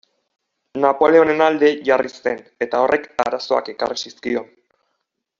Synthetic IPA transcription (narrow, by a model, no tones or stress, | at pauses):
napo̞le̞o̞ne̞nald̪e̞ʝarise̞ne̞t̪ao̞rʔe̞ka̰ɾaso̞a̰ke̞karisiskio̞n